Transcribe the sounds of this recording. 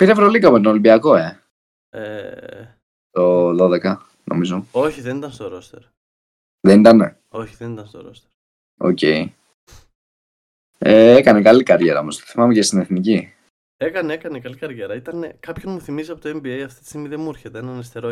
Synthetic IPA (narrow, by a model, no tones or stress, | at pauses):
piɾevɾolikɐmet̪onolimbiɐko̞e̞ | ḛ | t̪o̞ðo̞ðekɐ | nʔo̰mizo̞oçiðenit̪ɐnst̪oɾost̪eɾ | ðenit̪ɐn | o̞çiðenit̪ɐnst̪oɾo̰st̪e̥ɾ | o̰ce̞i | eekɐnekɐlikɐɾʝe̞ɾɐomo̞st̪o̥θimɐmecest̪ine̞θnici | ekɐneekɐnekɐlikɐɾʝeɾɐit̪ɐnekɐpçonmuθimiziɐpot̪oembiejɐft̪it̪i̥st̪iɡmiðemueɾçet̪eenɐnist̪eɾo